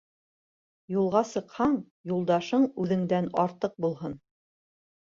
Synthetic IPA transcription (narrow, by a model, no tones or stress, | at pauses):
julˠʁɑsɤ̆qhɑɴ | julˠd̪ɑʃɤɴʉðɘ̆ŋd̪ænɑɾt̪ɤq̚bulˠɦɤn